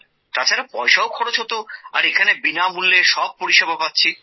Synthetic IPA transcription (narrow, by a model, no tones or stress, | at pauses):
t̪at͡ɕʰaɾapɔeʃaokʰɔɽod͡ʑɦot̪oa̰ɾekʰanebinamulːeʃɔb̚poɾiʃebʱapatːɕʰi